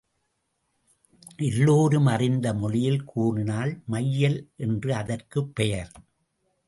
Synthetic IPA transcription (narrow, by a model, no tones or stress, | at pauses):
ʔɪlːoːɾɯmɐrɪnd̪ɐmɔɭɪjɪlkʰuːɳɪnaːlmɐjːɐlʔɛndrɯɐðɐrkɯpːɛjɐɾ